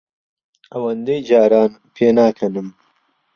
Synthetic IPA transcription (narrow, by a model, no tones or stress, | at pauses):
ɐwɐnd̪ejd͡ʒaːɾaːn | pʰeːnaːkʰɐnum